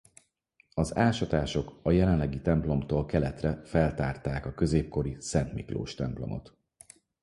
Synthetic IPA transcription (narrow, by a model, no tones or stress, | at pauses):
ɒzaːʃɒt̪aːʃo̞kɒjɛlɛnlːɛɡit̪ɛmplo̞mt̪oːlkɛlɛt̪rɛfɛlt̪aːrt̪aːkɒkø̞zeːp̚ko̞ɾisɛnt̪miklo̰ːʃt̪ɛmplo̞̰mo̞̰t̪